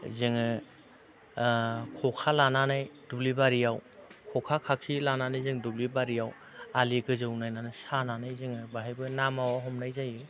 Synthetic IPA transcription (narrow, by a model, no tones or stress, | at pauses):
zɯŋɯ | kʰɔkʰalananajdulibaɾijawkʰɔkʰakʰakʰilananajzɯŋdublibaɾijaw | aliɡɯzɯwnajnanɯsananajzɯŋɯbaɦajbɯnamawaɦɔmnajzajɯ